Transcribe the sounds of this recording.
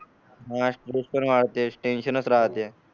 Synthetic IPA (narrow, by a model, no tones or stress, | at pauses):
ɦãsʈɾespənʋaɽt̪esʈenɕənət͡sɾaɦət̪jɛ